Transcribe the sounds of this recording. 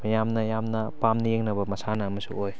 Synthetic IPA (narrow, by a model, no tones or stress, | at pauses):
mɐjamnɐjamnɐpamnijeŋnɐbɐmɐsanɐːmɐsṵoj